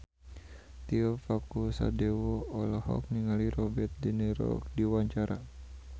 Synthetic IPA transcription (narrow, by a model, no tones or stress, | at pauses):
t̪iɔfakusa̰dɛwɔɔlahɔ̰k̚niŋaliɾɔbɛrt̪̚diniɾɔ̰k̚diwaɲt͡ʃaɾa